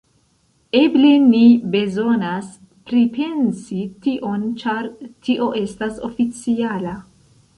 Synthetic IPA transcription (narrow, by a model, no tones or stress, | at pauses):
eblinibe̞zo̞nas | pɾipe̞nsitiʔo̞nt͡ʃaɾtʰiʔo̞ʔe̞staso̞̰fit͡siala